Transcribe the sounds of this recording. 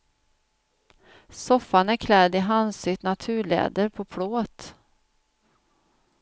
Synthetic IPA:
sɔfːanæɾkʰlɛd̪ɪɦansʏt̪nat̪ʰʉ̟ːɭɛ̰ːd̪əɾpʰɔpʰɽoːt̪

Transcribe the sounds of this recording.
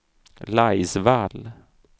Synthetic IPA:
lajsval

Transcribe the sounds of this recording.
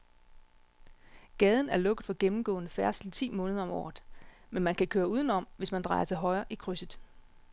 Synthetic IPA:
ɡ̥ɛːð̞ˠn̩æɐlɔ̽ɡ̥əðˠfɒ̽ɡ̥emm̩ɡ̥ɔ̰̽ːnəfæɐsl̩t͡sʰḭːmɔ̽ːnəð̞ˠɒ̽mɒ̰ːð̩ˠmenmænkʰækʰøːɐuːð̞ˠn̩ɒ̽m̰ʋe̝smænd̥ʁɑ̈ɪɐt͡sʰe̝lɦɒ̽ɪɐːʔikʰʁysəð̩ˠ

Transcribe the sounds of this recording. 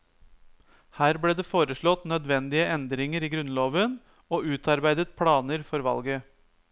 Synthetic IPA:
hæːɾbɽeːd̪eːfoːɾəʂɭɔt̪nœd̪ʋɛnd̪ɪəɛnd̪ɾɪŋəɾiːɡɾʉnloːʋən | oːʉːt̪ʰɑɾbæɪd̪ət̪̚pʰɽɑːnəɾfɔɾʋɑ̰lɡə

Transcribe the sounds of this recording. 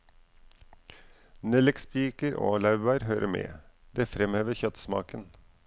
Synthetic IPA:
nɛlɪkspiːkəɾʔo̰ːlɑʉbæɪɾɦøːɾʔəmḛː | d̪eːfɾɛmheːʋəçœt̪smɑ̰ːkən

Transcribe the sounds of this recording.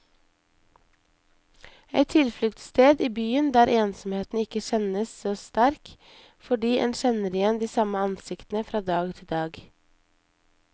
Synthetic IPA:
ɛ̰t̪ʰɪlflʏkt̪st̪eːd̪iːbyːənd̪æːɾʔeːnsɔm̩heːt̪n̩ɪkəʃɛnəssoːst̪æɾk | fɔɖiːʔɛ̰nʃɛnəɾjɛnd̪iːsɑməɑnsɪkt̪n̩əfɾɑːd̪ɑːɡt̪ʰɪld̪ɑːɡ

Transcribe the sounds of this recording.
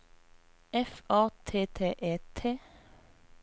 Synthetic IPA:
ɛfɑːt̪ʰeːt̪ʰeːʔeːt̪ʰeː

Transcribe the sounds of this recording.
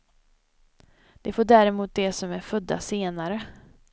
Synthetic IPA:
d̪̥ɛfoːɖæːɾɛmuːt̪̚d̪ɛsɔmæɾfɵd̪ːa̰seːnaɾə

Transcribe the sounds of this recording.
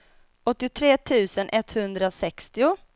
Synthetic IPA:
ɔt̪ːɪʊt̪ʰɾeːt̪ʰʉ̟ːsənʔɛt̪hɵnd̪ɾasɛkst̪ɪʊ

